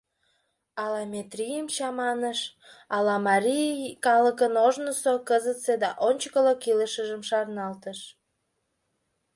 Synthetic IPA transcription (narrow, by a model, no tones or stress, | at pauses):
ɑlɑmʲet̪rʲijəmt͡ɕɑmɑnəʃ | ɑlɑmɑɾikɑləkənoʒnəsokəzət̪sed̪ɑʔonʲt͡ɕkəlokiləʃəʒəmʃɑrnɑlt̪əʃ